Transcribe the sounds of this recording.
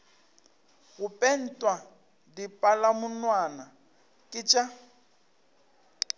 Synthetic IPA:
ɣʊpʼɛn̩tʼwa | dipʼalamʊnwana | kʼɪt͡ʃʼa

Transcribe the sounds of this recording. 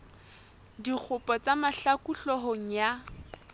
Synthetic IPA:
dik͡xʰʊpʼɔt͡samaɬakuɬɔɦoŋ̩ja

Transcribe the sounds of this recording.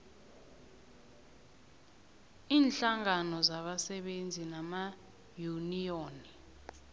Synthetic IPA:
iːnɬaŋanɔzaɓasɛɓend͡zʱinama | junijoːni

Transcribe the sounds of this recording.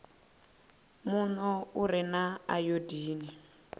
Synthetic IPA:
munɔuɾinaajodiːni

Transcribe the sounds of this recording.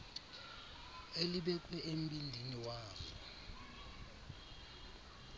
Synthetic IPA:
eliɓɛǃɛem̩ɓindʱiniwaːzɔ̰

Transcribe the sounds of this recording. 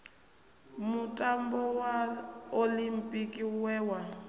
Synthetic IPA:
mutʼambɔwaolimpʼikʼiwɛːwa

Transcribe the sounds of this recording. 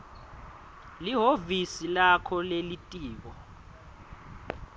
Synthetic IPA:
liɦovisilakʰɔlelitʼiːɓɔ

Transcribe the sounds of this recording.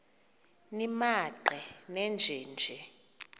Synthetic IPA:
nimaǃɛnɛnd͡ʒʱɛːnd͡ʒʱɛ

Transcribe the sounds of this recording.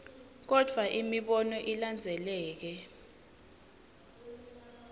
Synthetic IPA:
k̬ɔd̥ʱwaʔimiɓɔnɔʔiland͡zʱɛlɛːk̬ɛ

